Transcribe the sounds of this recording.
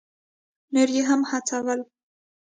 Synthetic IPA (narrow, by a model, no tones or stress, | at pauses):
nəɾjeɦamhat͡sawəl